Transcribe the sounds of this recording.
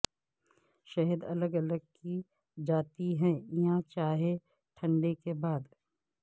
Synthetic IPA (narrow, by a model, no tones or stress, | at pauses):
ʃɐɦəd̪ɐləɡɐləɡ̚ki | d͡ʒaːt̪iɦɛ̃iãt͡ʃaːɦe | ʈʰə̃ɳɖekebaːd̪